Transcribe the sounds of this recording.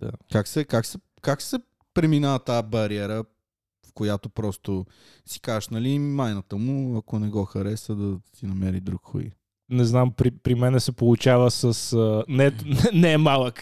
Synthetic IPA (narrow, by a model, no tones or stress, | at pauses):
d̪̥a̰kaksɛkaksɛ | kaksɛ | pɾɛminaət̪abɐɾiɛɾə | fkojat̪opɾɔst̪o | si̥kaʃnɐlimajnət̪əmʊɐkonɛɡɔxɐɾɛsəd̪ɐsinɐmɛɾid̪ɾukxo̰ḭ | nɛznampɾipɾimɛnɛsɛpolˠut͡ʃavəsəsənɛɛnɛɛmalˠək